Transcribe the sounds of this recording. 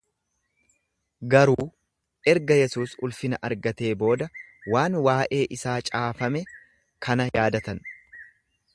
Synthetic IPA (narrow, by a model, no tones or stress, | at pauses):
ɡɐɾuː | ʔɛɾɡɐjɛsuːsʊlfɪnɐʔɐɾɡɐt̪e̞ːbo̞ːd̪ɐwaːnwaːʔe̞ːʔɪsaːt͡ʃʼaːfɐmɛ | kʰɐnɐjaːd̪ɐt̪ɐn